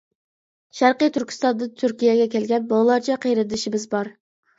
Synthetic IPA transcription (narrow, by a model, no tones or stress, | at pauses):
ʃæɾqəjt̪ʰyɾkʲi̥st̪ɑnd̪ɨt̪ʰyɾkʲijɛɡʲɛkʲɛlɡʲɛnbɑlˠɑɾt͡ʃʰɑqʰejɾɨd̪ɪʃimɪzbɑɾ